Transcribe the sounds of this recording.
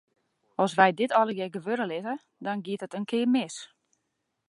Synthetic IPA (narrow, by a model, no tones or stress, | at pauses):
ɔsʋɛjdɪtʰɔləɡjɛɡəʋøɾəlɪtə | dɔnɡɪətətənkʰɪəmɪs